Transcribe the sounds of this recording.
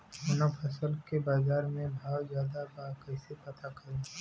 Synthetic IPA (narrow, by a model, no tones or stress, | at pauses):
ɦonapʰɐsəlkebaːzaːɾmẽbʱaːwzjaːd̪abaːkɛːsepɐt̪akɐɾẽ